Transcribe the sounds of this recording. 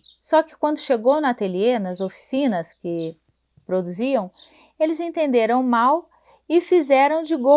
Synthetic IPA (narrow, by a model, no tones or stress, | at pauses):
sɔkɪ̥kwɐ̃nd̪ʊʃeɡownat̪elienɐzofi̥sĩnɐskɪ | pɾod̪uziɐ̃w̃ | elɪzẽnt̪ẽnd̪eɾɐ̃w̃maw | ɪfizɛɾɐ̃w̃d͡ʒɪɡo